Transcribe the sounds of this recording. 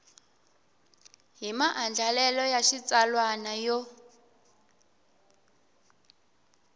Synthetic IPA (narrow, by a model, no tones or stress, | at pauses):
ɦimaʔand͡ɮʱalɛlɔjaʃit͡salwanajɔ